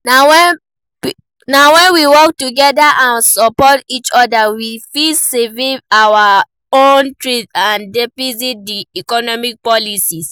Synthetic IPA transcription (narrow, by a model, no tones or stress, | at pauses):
nawɛn | nawɛ̃nwiwɔk̚tuɡɛdaʔãnsɔpɔtit͡ʃɔdawifiseviawa | õntɹidãndɛfisit̚diikɔnɔmik̚pɔlisis